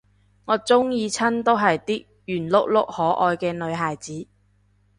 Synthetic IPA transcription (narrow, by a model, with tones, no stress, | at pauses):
ŋɔː˨˧t͡sʊ˥ŋjiː˧t͡sʰɐ˥nt̪o˥wɦɐ˨jt̪iː˥k̚ | jyː˨˩nlʊ˥k̚lʊ̰˥k̚hɔː˨˥ʔɔː˧jkɛː˧nɵ˨˧ɥɦaː˨jt͡siː˨˥